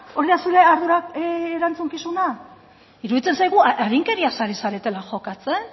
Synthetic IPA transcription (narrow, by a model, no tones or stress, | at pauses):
o̞ɾiðasuɾe̞aɾðuɾaːɾant͡suŋkisuna | iɾuðit͡se̞nsajɣuʔaɾiŋke̞ɾiasaɾisaɾe̞t̪e̞laʝo̞kat͡se̞n